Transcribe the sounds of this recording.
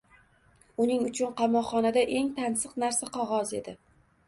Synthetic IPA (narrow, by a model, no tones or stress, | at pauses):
ʊnɪŋʊt͡ʃʰʊnqɑmɒqχːɒnad̪aʔe̞ŋt̪ʰansɨqnaɾsaqʰɒʁɒze̞̰d̪ɪ